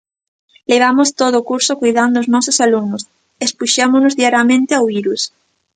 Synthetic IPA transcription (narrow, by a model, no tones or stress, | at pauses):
leβ̞amʊst̪oðʊːkuɾsokujðand̪ooznɔsosaluɡnʊs | espuʃamʊnʊzðiaɾjamẽnt̪eawβiɾus